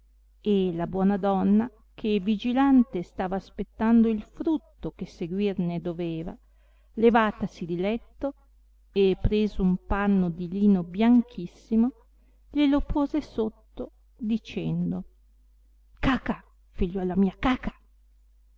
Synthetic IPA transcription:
elabwɔːnad̪ɔnːa | kʰevid͡ʒilant̪est̪aːvaːspet̪ːand̪oilfɾut̪ːokeseɡwirned̪oveːva̰ | levaːt̪asid̪ilɛt̪ːo | epːɾeːzoumpanːod̪iliːnobjaŋkʰisːimo | ʎelopʰoːzesot̪ːo | d̪it͡ʃɛnd̪o | kaːka | fiʎːɔːlamiːakakḁ

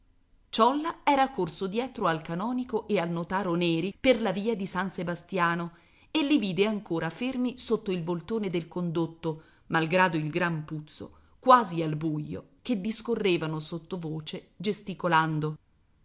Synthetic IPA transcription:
t͡ʃɔlːaɛːɾakorsod̪jɛːt̪ɾoalkanɔːnikoʔealnot̪aːɾonɛːɾiperlaviːad̪isansebast̪jaːno | elːiviːd̪eaŋkoːɾafermisot̪ːoilvolt̪oːned̪elkond̪ot̪ːo | malɡɾaːd̪oilɡɾamput̪so̰ | kwaːzialbujːo̰ | ked̪ːiskorːeːvanosot̪ːovoːt͡ʃe | d͡ʒest̪ikoland̪o

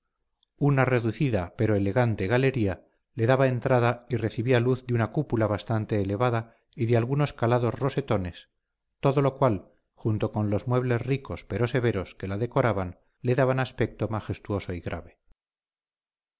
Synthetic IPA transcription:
unare̞ðuθiðape̞ɾo̞ele̞ɣant̪e̞ɣale̞ɾia | le̞ðaβae̞nt̪ɾaðaire̞θiβialuθðunakupulaβast̪ant̪e̞ːle̞βaða | iðealɣuno̞skalaðo̞zro̞se̞t̪o̞ne̞s | t̪o̞ðo̞lo̞kwal | xunt̪o̞ko̞nlo̞zmwe̞βle̞zriko̞spe̞ɾo̞se̞βe̞ɾo̞ske̞laðe̞ko̞ɾaβan | le̞ðaβanaspe̞k̚t̪o̞maxe̞st̪uo̞so̞iɣɾʔa̰βe̞

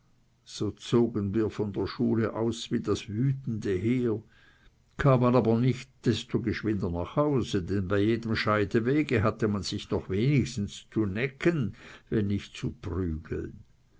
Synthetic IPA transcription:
z̥oːt͡soːɡənviːɐfɔndeːɐʃuːləʔaʊsviːdasvyːtn̩dəɦeːɐ | kʰaːmanaːbɐnɪçtd̥ɛstoɡəʃvɪndɐnaːχhaʊzədɛnbaɪjeːdəmʃaɪdəveːɡəɦatəmanz̥ɪçnɔχveːnɪçstn̩st͡sunɛkənvɛnːɪçtt͡supʁyːɡ̥l̩n

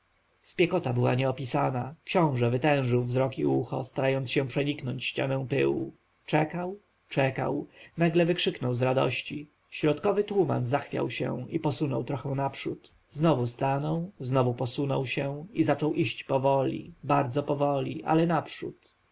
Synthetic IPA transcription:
spʲjɛkɔt̪abɘwa̰ɲɛɔpʲisanakʃɕɔ̃w̃ʐɛvɘt̪ɛ̃w̃ʐɘwvzɾɔkḭuxɔ̰st̪aɾajɔnt̪sɕɛ̃pʂɛɲiknɔɲt͡ɕɕt͡ɕa̰nɛ̃w̃pɘ̰wṵ | t͡ʂɛkaw | t͡ʂɛka̰wnaɡlɛvɘkʂɘknɔwzɾad̪ɔ̰ɕt͡ɕi | ɕɾɔt̪kɔvɘt̪wuma̰nzaxfʲja̰wɕɛ̰w̃ipɔsunɔwt̪ɾɔxɛw̃napʂut̪ | znɔvust̪anɔwznɔvupɔsunɔwɕɛ̃izat͡ʂɔwʔiɕt͡ɕpɔvɔlʲḭbaɾd̪zɔpɔvɔlʲḭʔa̰lɛnapʂut̪

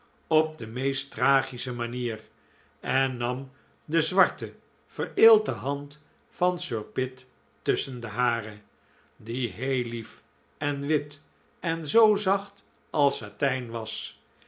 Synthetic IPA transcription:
ɔp̚dəmejstraːχisəmaniːr | ɛnːɑm | dəzʋɑɹtə | v̥əreːlˠtəɦɑnt | fɑnsøɹpɪtː | ɵsəndəɦaːrə | diɦejlif | ɛnʋɪt | ɛnzowzɑχt | ʔɑlˠsatɛjnʋɑs

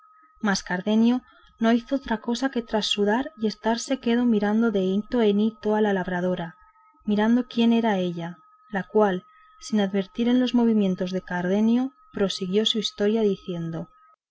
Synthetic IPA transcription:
maskaɾðe̞njo̞ | no̞iθoot̪ɾako̞sake̞t̪ɾasːuðaɾje̞st̪aɾse̞ke̞ðo̞miɾand̪o̞ðe̞it̪o̞e̞nit̪o̞alalaβ̞ɾað̞o̞ɾa | miɾand̪o̞kje̞ne̞ɾae̞ʎa | lakwal | sinaðβe̞ɾt̪iɾe̞nlo̞zmo̞β̞imje̞nt̪o̞zðe̞kaɾðe̞njo | pɾo̞siɣjo̞suist̪o̞ɾjaðiθje̞nd̪o̞

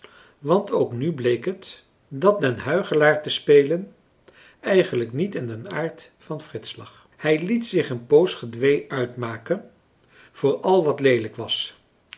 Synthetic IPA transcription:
ʋɑntʰowknyblejkɦət | dɑt̚dənɦœɥχəlaːɹtəspejlən | ɛjχənləknitɪndənaːɹt | fɑnfrɪtslɑ̰χ | hɛjlitsɪχənpowsχədʋejœɥtmaːkən | v̥ʊːɹɑlˠʋɑtlejləkʋɑs

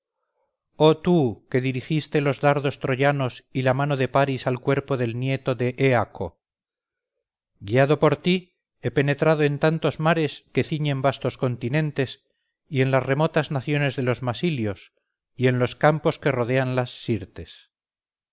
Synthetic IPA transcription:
o̞t̪uke̞ðiɾixist̪e̞lo̞zðaɾðo̞st̪ɾo̞ʝano̞silamano̞ðe̞paɾisalkwe̞ɾpo̞ðe̞lnje̞t̪o̞ðe̞ʔeakʰo̞̰ | ɡiaðo̞po̞ɾt̪i | e̞pe̞ne̞t̪ɾaðoe̞nt̪ant̪o̞zmaɾe̞ske̞θiɲe̞mbast̪o̞sko̞nt̪inẽ̞nt̪e̞s | ie̞nlasre̞mo̞t̪aznaθjo̞ne̞zðe̞lo̞zmasiljo̞s | ie̞nlo̞skampo̞ske̞ro̞ðe̞anlasːiɾt̪e̞s

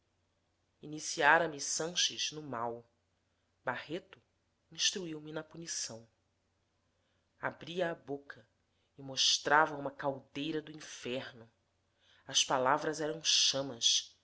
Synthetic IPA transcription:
inisiaɾɐmisɐ̃ʃɪznʊmaw | bahet̪ʊ | ĩʃt̪ɾuiwmɪnɐpunisɐ̃w̃ | abɾiɐːbokʰɐ | ɪmoʃt̪ɾavɐũmɐkawd̪ejɾɐd̪ʊĩfɛɾnʊ | ɐspalavɾɐzɛɾɐ̃w̃ʃɐ̃mɐs

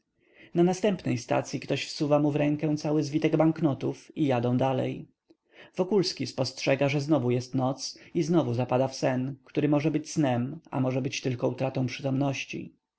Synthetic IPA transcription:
nanast̪ɛmpnɛjst̪a̰t̪sʲjikt̪ɔɕfsuvamuvɾɛŋkɛ̃w̃t̪sawɘzvʲit̪ɛɡbaŋknɔt̪ufijad̪ɔ̃w̃d̪alɛ̰j | vɔkulskʲispɔstʂɛɡaʐɛznɔvujɛst̪nɔt̪siznɔvuzapad̪afsɛnkt̪uɾɘmɔʐɛbɘt͡ɕsnɛma̰mɔʐɛbɘt͡ɕt̪ɘlkɔut̪ɾat̪ɔ̃w̃pʂɘt̪ɔmnɔɕt͡ɕḭ

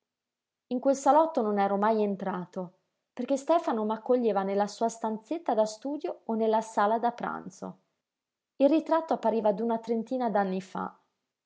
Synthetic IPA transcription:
iŋkwelsalɔt̪ːononɛːɾomajent̪ɾaːt̪o | perk̟est̪ɛːfanomakːoʎːeːvanelːasuːast̪ant̪set̪ːad̪ast̪uːd̪joonːelːasaːlad̪apːɾa̰nt̪so̰ | ilrit̪ɾat̪ːoapːaɾiːvad̪unat̪ɾent̪iːnad̪anːifa̰

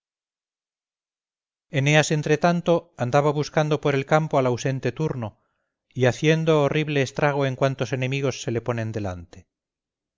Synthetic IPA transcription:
e̞ne̞ase̞nt̪ɾe̞t̪ant̪o̞and̪aβaβuskand̪o̞po̞ɾe̞lkampoalawse̞nt̪e̞t̪uɾno | iaθje̞nd̪o̞ːriβle̞ːst̪ɾaɣ̞o̞e̞ŋkwant̪o̞se̞ne̞miɣ̞o̞sːe̞le̞po̞nẽ̞nd̪e̞la̰nt̪e

